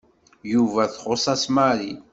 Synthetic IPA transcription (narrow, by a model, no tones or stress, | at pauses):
juvæθχosˤɑsmaɾi